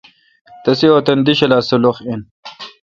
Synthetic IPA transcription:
t̪ɐsioːt̪ɐnd̪iɕɐlaːsɐloχin

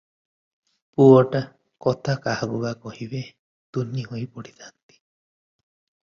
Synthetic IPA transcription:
puɔʈa | kɔt̪ʰakahaɡubakɔhibe | t̪uniɦojpɔɽit̪ʰant̪i̥

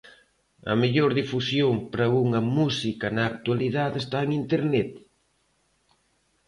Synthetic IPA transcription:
ɐ̰meʎoɾðifusjoŋpɾɐɣuŋɐmusikɐnɐːk̚t̪waliðaðest̪aeŋint̪eɾnɛt̪

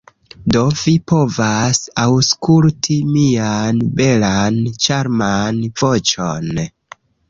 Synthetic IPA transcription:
do̞vipo̞vasawskultʰimianbe̞lant͡ʃaɾmanv̥o̞t͡ʃon

